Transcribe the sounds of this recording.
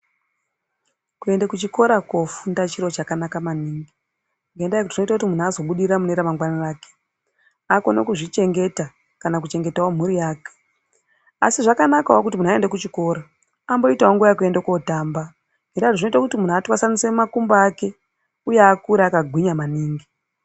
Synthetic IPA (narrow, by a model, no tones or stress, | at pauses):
kue̞ndekut͡ʃiko̞ɾakwo̞fundat͡ʃiɾo̞t͡ʃakanakamaniːŋɡi | ŋɡendajekutiino̞itakutimun̤azo̞ɓuɗiɾamuneɾamaŋɡwanaraːke̥ | akono̰kuʐit͡ʃe̞ŋɡe̞ta | kanak̬ut͡ʃe̞ŋɡe̞taom̤uɾijaːke̥ | a̰siʐakanakawok̬ut̬imunae̞ndekut͡ʃiko̞ːɾa | ambo̞itawoŋɡujak̬ue̞ndeko̞taːmba | ŋɡedatoʐino̞itakutimun̤uatwasanisemakumbaːke̞ | ujeakuɾaakaɡʱwiɲamaniːŋɡi